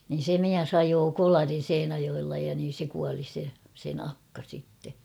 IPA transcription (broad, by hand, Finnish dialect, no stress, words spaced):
nin̞ se miæs ɑjoː kolɑrin̞ seinæjoelːɑ jɑ niːn̞ se kuɑli se sen ɑkːɑ sitːe